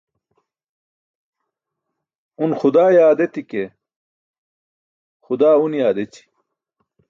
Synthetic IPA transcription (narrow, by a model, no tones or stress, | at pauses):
unxud̪aːjaːd̪et̪ike | xud̪aːunjaːd̪et͡ɕi̥